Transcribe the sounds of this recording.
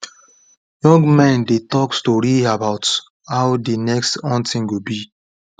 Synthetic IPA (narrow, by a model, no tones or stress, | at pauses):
jɔ̃ŋɡmɛ̃ndetɔkstɔɹiabaʊt | hawdinɛkstɔ̃ntĩŋɡubi